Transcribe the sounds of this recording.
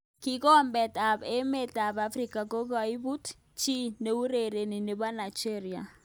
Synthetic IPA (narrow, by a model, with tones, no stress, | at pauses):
ki˦kɔ˦mbɛ˨ta˨be˦me˨ta˨ba˦fɾi˨ka˨ko˦ɡa˨i˦bu˦t | t͡ʃi˦ne˦u˦ɾe˨ɾe˨ni˨ne˨ba˦na˨d͡ʒe˦ɾi˨a̰˨